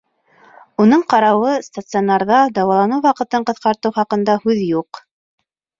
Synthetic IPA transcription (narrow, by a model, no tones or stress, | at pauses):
unɤɴqɑɾɑwɤst̪at̪sɨonɑɾðɑd̪ɑwɑlˠɑnuwɑqɤ̆t̪ɤɴqɤ̆θqɑɾt̪ɤwχɑqɤ̆nd̪ɑhʉðjuq